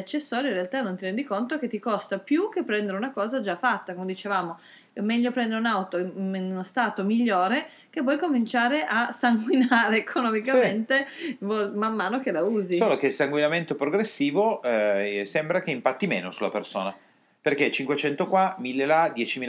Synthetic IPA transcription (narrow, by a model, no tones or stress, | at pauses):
at͡ʃːesːɔːɾjoĩnrealt̪anːont̪iɾɛnd̪ikont̪ok̟et̪ːikɔst̪apjuk̟epːɾɛnd̪eɾeunakɔːzad͡ʒafːat̪ːakomed̪it͡ʃevaːmo | mɛʎːopɾɛ̃nd̪eɾeunawt̪onunost̪aːt̪omiʎːoːɾe | k̟epwɔjkomint͡ʃaːɾeʔasaŋɡwinaːɾeːkʰonɔmikament̪evɔmamːaːnok̟elauːzisoːlokeilsaŋɡwinament̪opɾoɡɾesːiːvo | sɛmbɾak̟eimpat̪ːimḛːnosula̰perso̰ːna | perket͡ʃiŋkwet͡ʃɛnt̪okwamilːelad̪jɛːt͡ʃimiːl